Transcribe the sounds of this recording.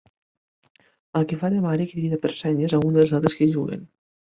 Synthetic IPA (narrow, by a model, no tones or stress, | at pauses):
əlˠkefaðemaɾekɾɾiðapeɾsɛɲezaund̪əlˠzalˠt̪ɾeskeʒuɣḛn